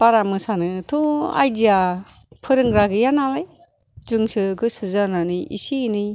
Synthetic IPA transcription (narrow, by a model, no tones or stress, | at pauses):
paɾamɯsanɯtʰua̰jdija | pʰɯɾɯŋɡɾaɡɯjanalaj | d͡ʒɯŋsɯɡɯsɯzananiḭsini